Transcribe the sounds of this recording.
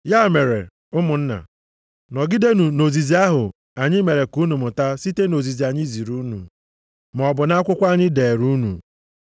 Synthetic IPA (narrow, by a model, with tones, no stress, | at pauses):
ja˦˨me˨ɾḛ˨ | ʊ˦mʊ˨n̩˦na̰˨ | nɔ˨ɡɪ˦de˦nu˨no˨zi˨zi˦a˦ɦʊ˨ | a˨ɲɪ˦me˨ɾe˨ku˦nu˨mʊ˨ta˦si˦te˦no˨zi˨zi˨a˨ɲɪ˦zi˨ɾu˦nṵ˨ | m˨ɔ˨bʊ˨na˦a˦kʷʊ˦kʷa˦ɲɪ˦de˨e˨ɾu˦nṵ˨